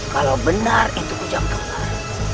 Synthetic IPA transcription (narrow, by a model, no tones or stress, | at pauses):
kalawbənarint̪ukud͡ʒamk̪əpa